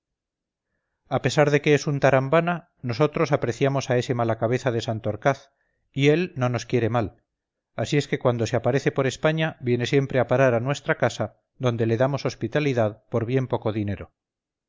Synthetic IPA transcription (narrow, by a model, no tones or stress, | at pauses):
ape̞saɾðe̞ke̞esunt̪aɾambana | no̞s̬o̞t̪ɾo̞sapɾe̞θjamo̞sae̞se̞malakaβe̞θaðe̞sant̪oɾkaθ | ie̞lno̞no̞skje̞ɾe̞mal | asie̞ske̞kwand̪o̞seapaɾe̞θe̞po̞ɾe̞spaɲabje̞ne̞sje̞mpɾe̞apaɾaɾanwe̞st̪ɾakasa | ðo̞nd̪e̞le̞ðamo̞so̞spit̪aliðaðpo̞ɾβje̞mpo̞ko̞ðine̞ɾo̞